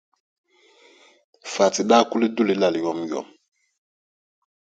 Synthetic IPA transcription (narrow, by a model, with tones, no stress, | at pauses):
fa˨ti˨ɗa˦˨ku˦le˦du˦le˦la˨li˨jɔ˦mjɔ̰˦˨m